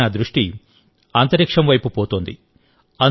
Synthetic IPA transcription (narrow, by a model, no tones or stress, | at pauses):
ɐd̪ɾuʂʈi | aːnt̪ɐɾikʂɐmʋɐjpupoːt̪oːnd̪i | ɐn